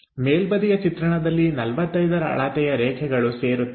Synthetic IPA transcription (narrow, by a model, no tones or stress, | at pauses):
meːlbɐd̪ijɐt͡ʃit̪ɾɐɳɐd̪ɐlːinɐlʋɐt̪ːɐjd̪ɐɾɐɐ̰ɭaːt̪ɛjɐɾɛːkʰɛɡɐɭuseːɾut̪ː